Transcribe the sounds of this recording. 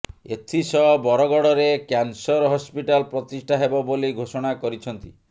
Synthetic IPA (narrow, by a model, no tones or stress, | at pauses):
et̪ʰisɔbɔɾɔɡɔɽɔɾekansɔɾɔɦɔspiʈalpɾɔt̪isʈʰaɦebɔboliɡʱosɔɽ̃akɔɾit͡ʃʰɔnt̪i